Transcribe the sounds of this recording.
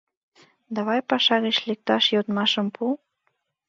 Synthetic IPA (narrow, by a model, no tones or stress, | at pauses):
d̪ɑβɑjpɑʃɑɣet͡ɕlek̚t̪ɑʃjot̪mɑʃə̆mpʰu